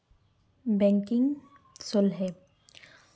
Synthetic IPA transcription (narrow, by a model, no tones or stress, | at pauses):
bɛ̃ŋkɪ̃ŋɡ | solɦɛː